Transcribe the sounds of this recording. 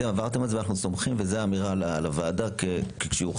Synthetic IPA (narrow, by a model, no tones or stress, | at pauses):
emavaʁt̪emalzeanaχnuso̞mχimvezeaːmiʁalalavaːdakekekʃeuχ